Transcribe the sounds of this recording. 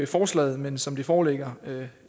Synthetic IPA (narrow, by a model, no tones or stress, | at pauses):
fɒːslɛ̰ːð̩ˠmensɒ̽md̥ifɒːleɡ̥ɐø